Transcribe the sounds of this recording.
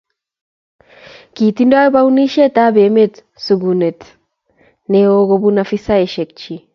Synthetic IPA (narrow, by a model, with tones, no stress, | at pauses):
ki˨t̪inda˦jɔ˦ba˦uni˦ʃe˦t̪a˦be˨me˦t̪ | su˨ɡune˨t̪ | neo˦ɡo˧bunafi˦sa˦eʃek̚t͡ʃi˨